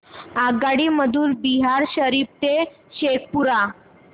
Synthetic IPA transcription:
aɡaɽiːməd̪ʱuːnbiɦaɾɕəɾip̚t̪e | ɕek̚puɾa

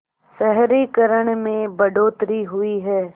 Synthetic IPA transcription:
sɛɦɾikəɾəɽ̃mẽbɐɖoːt̪ɾiɦʊiɦɛː

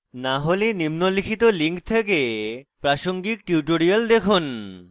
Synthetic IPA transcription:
naɦolenimnolikʰit̪oliŋkt̪ʰekepɾaʃoŋɡik̚ʈjuʈoɾiald̪ekʰun

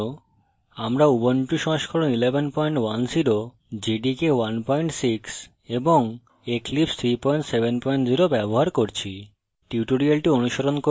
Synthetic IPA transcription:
o | amɾaubonʈuʃɔ̃ŋʃkʰoɾonilebʱenpɔjɳʈwanziɾo | d͡ʑiɖikewanpɔjɳʈsiks | eboŋ | eklipst̪ʰɾipɔjɳʈsebʱenpɔiɳʈziɾobɛboɦaɾkoɾt͡ɕʰi | ʈiuʈoɾialʈionuʃoɾonko

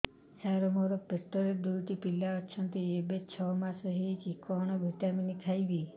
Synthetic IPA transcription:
saɾomoɾɔpit̪ːɔɾed̪ujʈipilːaɔt͡ʃʰənt̪iebet͡ʃʰɔmãsəɦit͡ʃikɔɳ̃ɔbʱiʈaminik̪ʰajʋi

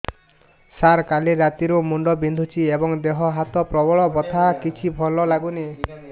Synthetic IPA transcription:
saɾkaleɾat̪iɾumuɳɖɔbind̪ʱut͡ʃʰiebɔŋd̪eɦɔɦat̪ɔpɾɔbɔɭɔbɔt̪ʰakit͡ʃʰibʱɔlɔlaɡune

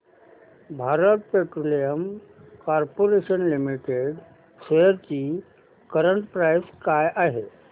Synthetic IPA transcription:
bʱaɾət̪̚peʈɾolijəm | kaɾpoɾeɕənlimiʈeɖ | seəɾt͡ɕi | kəɾəɳʈpɾajskajʔaɦe

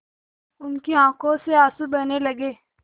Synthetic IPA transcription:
ʊnkeãːkõseaːsubɐnelɐɡeː

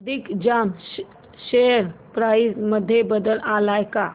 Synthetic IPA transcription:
d̪ikd͡ʑam | ʃeəɾpɾaisməd̪ʱːjebəd̪əlʔalajka

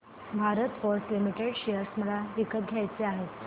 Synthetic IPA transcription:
bʱaɾət̪foɾslimiʈeɽɕejəɾsm̤əɭaʋikət̪̚ɡʱjajt͡seaɦet̪

